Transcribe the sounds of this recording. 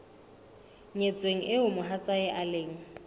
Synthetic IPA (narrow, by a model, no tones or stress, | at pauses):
ɲet͡sʼweŋ̩ʔɪʊmʊɦat͡sʼaɪʔaleːŋ̩